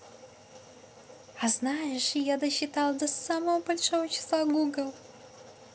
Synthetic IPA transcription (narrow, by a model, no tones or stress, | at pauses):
aznajɪʂjad̪ɐɕːɪt̪alˠd̪ɐsːaməvəbɐlʲʂovət͡ʃʰɪ̥slˠaɡuɡəlˠ